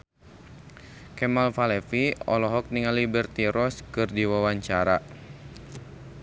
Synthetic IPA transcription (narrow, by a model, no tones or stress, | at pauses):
kɛmalfalɛfiɔ̰lɔɦɔk̚niŋalibɛrt̪iɾɔskɨrdiwawaɲt͡ʃaɾa